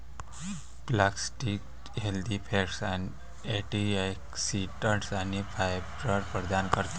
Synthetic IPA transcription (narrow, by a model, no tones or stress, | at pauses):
plaksʈik | ɦeld̪ipʰeɾsan | eʈiajksiʈəʈsanifʰajbɾəɾpɾəd̪ankəɾt̪e